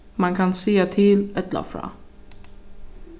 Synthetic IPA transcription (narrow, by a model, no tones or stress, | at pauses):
maŋkʰansiːat̪ʰɪlɛt̪lə̰fɾɑ̰ː